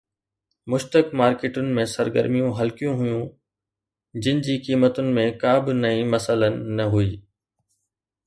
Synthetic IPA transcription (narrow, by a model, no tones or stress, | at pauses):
mʊʃt̪əkmaːɾkeːʈʊnɪ̆mẽsɐɾɡə̰ɾmijũɦɐlkijũɦʊjũ | d͡ʑɪnɪ̆d͡ʑiːkiːmət̪ʊnɪ̆mẽkaːbɪnɐĩmɐsələnɪ̆ːɐɦuiː